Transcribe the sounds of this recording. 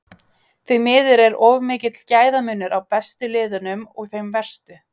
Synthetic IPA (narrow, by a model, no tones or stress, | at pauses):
θœɥmɪːðɪɾɛɾɔvmɪːcɪt̪lcaːjðamʏːnːʏɾawpɛst̪ʏlɪːðʏnʏmɔɣθejmvɛr̥st̪ʏ